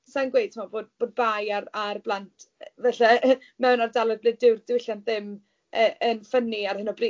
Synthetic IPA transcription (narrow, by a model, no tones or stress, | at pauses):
sanɡwejtʰimɔboːd̚b̥oːd̚bajaɾarblˠantʰvɛɬa | mɛwnardalˠɔd̚blɨːdɪwrdɪwɪɬjanðɪm | ʔəːʔənfəniarhɨnɔbri